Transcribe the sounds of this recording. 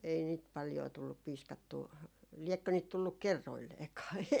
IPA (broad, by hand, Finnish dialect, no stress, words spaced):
ei niːt pɑljoː tulːup piːskɑtːuː liɛkːø niːt tulːuk̆ kerːoilːeːkɑː